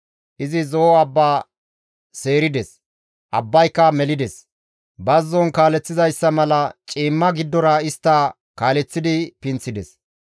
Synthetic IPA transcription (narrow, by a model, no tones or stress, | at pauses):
ʔɪzɪzoːɐbːaː | se̞ːɾɪd̪ɛs | ʔɐbːɐjkːɐmɛlɪd̪ɛs | bɐzːɔnkaːlɛt͡sːɪzɐjsːɐmɐlɐt͡ʃʼiːmːɐɡɪd̪ːɔɾɐɪst̪ːɐ | kaːlɛt͡sːɪd̪ɪpɪnt͡sːɪd̪ɛs